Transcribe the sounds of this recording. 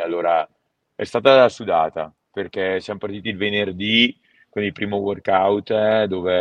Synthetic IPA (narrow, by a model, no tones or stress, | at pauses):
alːoːɾa | ɛ̰st̪aːt̪asud̪aːt̪a̰ | perkɛsjamopart̪iːt̪iːlvenerd̪i | kwind̪ilpɾiːmoworkawt̪d̪oːve